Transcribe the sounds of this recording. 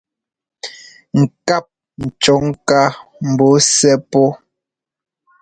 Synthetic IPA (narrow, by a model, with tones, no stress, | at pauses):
ŋ̩˨ka˦˨p̚ | n̩˨t͡ʃɔ˨˦ŋ˦ka˦m̩˨bo˨˦sɛ˦pɔ˦